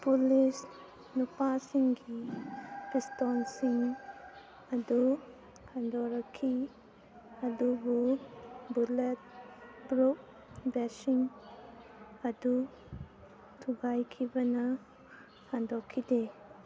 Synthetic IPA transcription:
pulis | nupasiŋɡi | pistonsiŋ | ɐdu | kʰandoɾɐkʰːi | ɐdububulet̚bɾuk̚ | besiŋ | ɐdu | tʰuɡajkʰibɐnɐ | handokʰːide

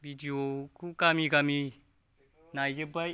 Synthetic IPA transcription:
bidiokukamiɡami | najd͡ʒebaj

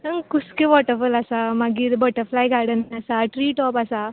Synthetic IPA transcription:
əkuskeʋɔʈəɾfulasamaɡid̪bəʈəɾflajɡaɽənasaʈɾiːʈɔpɐsa

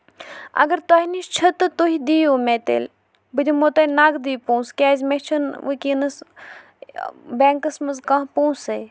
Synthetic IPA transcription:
ɐ̰ɡəɾt̪aːɦinist͡ʃʰɐt̪ɨt̪oɦid̪iːjoːmeːt̪ḛl | bɨd̪ʲumot̪ɐnaːɡd̪iːpõːskʲaːzʲmet͡ʃʰɐnʋə̰kʲinɐs | beːŋkɐsmɐzkãːɦpõːseː

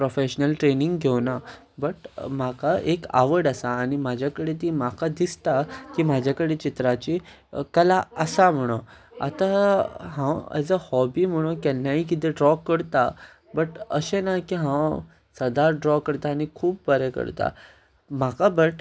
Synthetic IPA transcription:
pɾofeɕnəlʈɾeniŋɡɡʱewna | bəʈm̤akaʔeka̰ʋəɽəsaːñimad͡ʑʱjakəɽet̪̬imakad̪ist̪akim̤ad͡ʑʱjakəɽet͡ɕit̪ɾat͡ɕi | kəlaəsam̤əɽ̃o | a̰t̪aɦãwə̰d͡zəhɔbiːm̤əɽ̃okɛnːaik̬id̪eɖɾɔkːəɽt̪a | bəʈəɕenakiɦãw | səd̪aɾɖɾɔkəɾt̪aːñikʰuːp̚bəɾekə̰ɾt̪a̰ | m̤akabəʈ

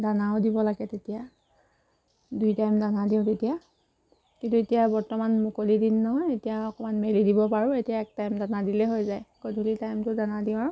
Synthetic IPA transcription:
danaʊdibɔlaɡɛtetija | dujtajmdanadiʊ̃tetija | kintuetijabɔɹtɔmanmukolidinːɔɦɔjetijaɔkɔmanmelidibɔpaɹʊetijaɛk̚tajmdanadilɛɦojzajɡodʱulitajmtʊdanadĩaɹ

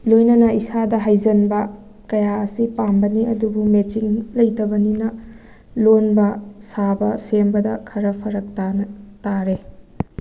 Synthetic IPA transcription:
lojnɐnɐʔisadɐɦajzɐnbɐ | kɐjaɐsipambɐniɐdubumet͡ʃinlɐjtɐbɐninɐ | lonbɐsabɐsembɐdɐkʰɐɾɐpʰɐɾɐk̚tantaɾe

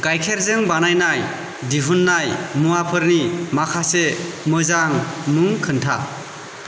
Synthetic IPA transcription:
ɡajkʰeɾzeŋbanajnaj | diɦunːajmuapʰɯɾnimakʰasemɯzaŋmɯŋkʰɯntʰa̰

